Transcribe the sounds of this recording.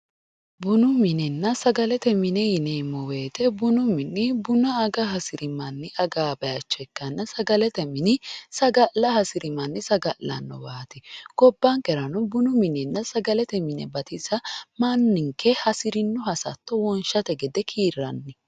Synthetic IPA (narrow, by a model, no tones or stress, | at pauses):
bʊnʊmɪnɛnːɐsɐɡɐlɛt̪ɛmɪnɛjɪnemːɔweːt̪ɛbʊnʊmɪnːɪbʊnɐːɡɐɦɐsɪɾɪmɐnːɪʔɐɡaːbɐjɐt͡ʃːɔɛkːɐnːɐsɐɡɐlɛt̪ɛmɪnɪsɐɡɐlɐhɐsɪɾɪmɐnːɪsɐɡɐlɐ̰nːɔ̰baːt̪ɪɡ̥ɔbːɐŋkʼɛɾɐnɔbʊnʊmɪnɛnːɐsɐɡɐlɛt̪ɛmɪnɛ̰bɐt̪ɪsɐmanːɪŋkʰɛhɐsɪɾɪnːʊɦɐsɐt̪ːɔwɔnʃɐt̪ɛɡɛd̪ɛkʰiːɾːɐ̰nːɪ